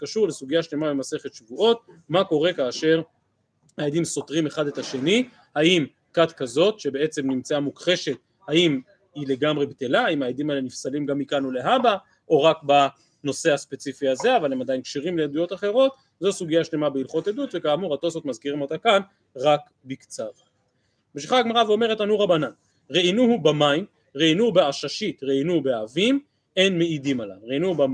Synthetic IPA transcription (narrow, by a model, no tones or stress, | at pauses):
kaʃuʁlesuɡijaʃle̞mabemase̞χet̪ʃvuʔo̞t̪̚mako̞ʁe̞kaːʃe̞ʁ | haed̪imso̞t̪ʁime̞χadet̪aʃe̞ni | haim | kat̪kazo̞t̪ʃe̞be̞e̞t͡se̞mnimt͡saamukχe̞ʃe̞t̪ | haim | ile̞ɡamʁe̞bet̪elaimaed̪imalenifsalimɡamikanule̞ɦaba | ʔo̞ʁakba | no̞se̞haspe̞t͡sifiaze̞avalemad̪ajinkʃiʁimleed̪ujo̞t̪aχe̞ʁo̞t̪ | zo̞suɡijaʃle̞mabeilχo̞t̪ed̪ut̪ve̞kaːmuʁat̪o̞sot̪mazkiʁimo̞t̪akan | ʁak | bikt͡sav | meʃ̬iχaɡmaʁaveo̞me̞ʁetanuʁabanan | ʁeinuhubamaim | ʁeinubeaʃaʃit̪ʁeinubeavim | e̞nmeidimalaʁeinuba